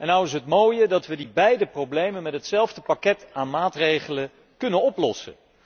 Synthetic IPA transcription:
ɛnːʌwɪs̬ɦətmoːjədɑtʋədibɛjdəprowblejmənmɛtɦətsɛlˠvdəpakɛtaːnmaːtrejχələ | kɵnənɔplɔsə̰

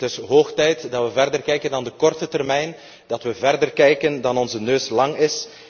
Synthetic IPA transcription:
tɪsɦoːxtɛjtdɑʋəvɛrdərkɛjkəndɑndəkɔrtətɛrmɛjn | d̥ɑtʋəvɛrdərkɛjkəndɑnɔnzənøːslɑŋɪs

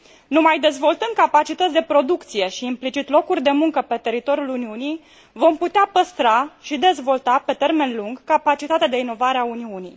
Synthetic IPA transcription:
numajd̪e̞zvo̞lt̪ɨnd̪̚kapat͡ʃit̪ət̪sʲd̪e̞pɾo̞d̪ukt̪sije̞ʃiːmplit͡ʃit̪lo̞kurʲd̪e̞muŋkəpe̞t̪e̞ɾit̪o̞ɾjuluniunij | vo̞mput̪eapəst̪ɾaʃid̪e̞zvo̞lt̪ape̞t̪e̞rme̞nluŋɡkapat͡ʃit̪at̪ead̪e̞ino̞vaɾeauniunij

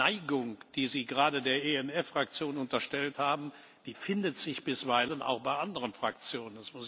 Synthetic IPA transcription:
aɪɡʊŋd̥iːziːɡəʁaːdədeːɐʔeɛnɛfʁ̥akt͡sjoːnʊntɐʃtɛlthaːbm̩ | d̥iːfɪndətz̥ɪçb̥ɪsv̥aɪlənʔa̰ʊxb̥aɪʔandəʁənfʁ̥ak̚t͡sjoːnənɛsmʊs

